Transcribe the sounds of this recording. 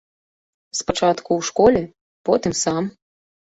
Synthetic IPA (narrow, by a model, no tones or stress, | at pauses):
spat͡ʂat̪kuwʂkɔlʲɛ | pɔt̪ɨmsam